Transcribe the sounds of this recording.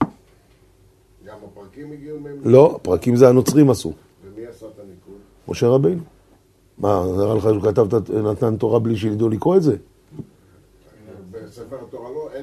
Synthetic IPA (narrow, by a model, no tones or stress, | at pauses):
kiɡulo̞pʁakimzeano̞t͡sʁimasṵ | miasat̪aniku | mʔo̞ʃe̞ʁabe̞jnu | makaʁaleχakat̪avt̪anat̪ant̪o̞ʁabliʃ̬eid̪ulikʁoetze̞